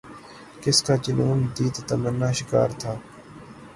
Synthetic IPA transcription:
kɪskaːt͡ʃɪnuːnd̪iːt̪t̪əmənːaːʃɪka̰ːɾt̪ʰaː

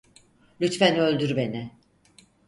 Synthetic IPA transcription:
lʲyt̪fænø̞lʲd̪yɾbenɛ

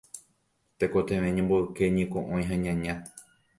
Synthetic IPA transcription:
t̪ekot̪ẽʋẽɲẽmboekeɲĩkõʔõj̃ɦãɲãɲã

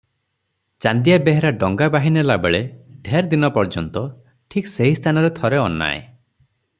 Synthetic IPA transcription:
t͡ʃand̪ijabeɦeɾaɖɔŋɡabaɦinelabeɭed̪ʱeɾd̪inɔpɔɾd͡ʒɔnt̪ɔ | ʈʰikseɦist̪ʰanɔɾet̪ʰɔɾeɔnːa̰ḛ

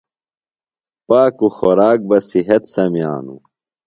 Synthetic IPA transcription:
paːkuxoɾaːk̚bɐsiɦɐt̪sɐmija̰ːnṵ

